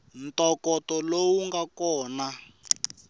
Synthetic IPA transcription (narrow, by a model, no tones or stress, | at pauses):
n̩tɔkɔtɔlowuŋɡakɔːna